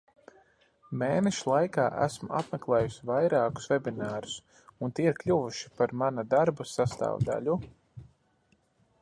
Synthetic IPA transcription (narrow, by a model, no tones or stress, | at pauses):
meːnɛʃulˠajkaːʔæ̰smṵa̰pmɛklˠɛːjusivajɾaːku̥svebʲinaːɾu̥s | unt̪iːiɾklʲuvuʃi̥paɾmanad̪aɾbusast̪a̰ːvd̪a̰lʲu